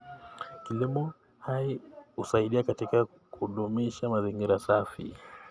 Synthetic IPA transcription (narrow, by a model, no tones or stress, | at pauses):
kilimɔ | haiusaiɗiakatika | kuɗumiʃamaziŋɡiɾasafḭ